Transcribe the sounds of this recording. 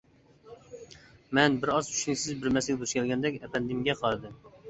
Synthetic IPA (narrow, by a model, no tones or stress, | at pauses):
mɛnbɪɾɑzʰy̥ʃnɪkʲsɪzbɪɾmɛsɪɡʲd̪uʃkʲʰɛlɡʲɛnd̪ɛkʲɛpɛnd̪ɪmɡʲɛqʰɑɾɨd̪ɨm